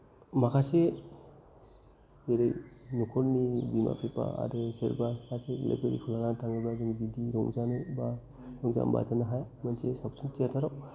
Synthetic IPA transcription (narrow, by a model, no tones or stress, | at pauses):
makʰase | zeɾejnukʰɔɾnibima̰pepa̰a̰ɾeseɾbakʰaselḛbeɾḭkʰulaŋatʰaŋɡɯbazaɡibidiɾɔŋzanɯba | ɾɔŋza̰mba̰zanaɦajmansesap̚suntiatʰaɾɔw